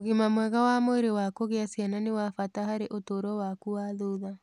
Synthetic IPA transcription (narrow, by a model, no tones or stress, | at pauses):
oɣimamwɛɣawamoeɾewakoɣeasjananewafataɦaɾeʔotoːɾwɔwakuwaðoða